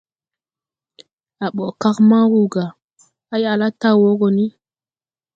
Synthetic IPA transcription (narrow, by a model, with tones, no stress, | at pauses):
a˨ɓo˨ka˦kma˦wu˦ɡa˨ | a˦ja˨la˦ta˦wo˦ɡo˨ni˦